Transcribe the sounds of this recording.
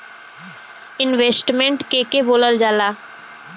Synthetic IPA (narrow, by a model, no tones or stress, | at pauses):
ɪnʋeːsʈmẽɳʈkeːkeboːləld͡ʒaːlaː